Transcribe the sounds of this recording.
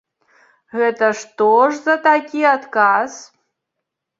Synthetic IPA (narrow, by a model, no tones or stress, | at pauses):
ɣɛt̪ɐʂt̪oʐzat̪akʲiat̪kaz̥